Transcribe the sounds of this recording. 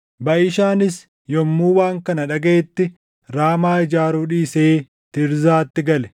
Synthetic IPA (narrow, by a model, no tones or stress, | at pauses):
bɐʔɪʃaːnɪs | jɔmːuːwaːŋkɐnɐᶑɐɡe̞ːt̪ːɪ | ɾaːmaːɪd͡ʒaːɾuːᶑiːseː | t̪ɪɾzaːt̪ːɪɡɐlɛ̥